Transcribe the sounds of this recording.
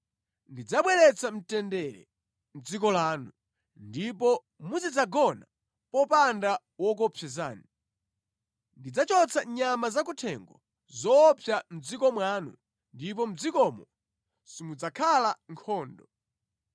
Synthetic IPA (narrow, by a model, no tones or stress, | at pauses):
ndid͡zaɓwɛlɛt͡sam̩tɛndɛɾɛ̰ | m̩d͡zikɔlaːnu | ndipɔ | muzid͡zaɡɔna | pɔpanda | wɔk̬ɔpʰɛzaːni | ndid͡zat͡ʃɔt͡saɲamazak̬utʰɛŋɡɔ̰ | zɔːpʰjam̩d͡zikɔmwaːnṵ | ndip̬ɔm̩d͡zikɔmɔ | simud͡zakʰalaŋkʰɔːndɔ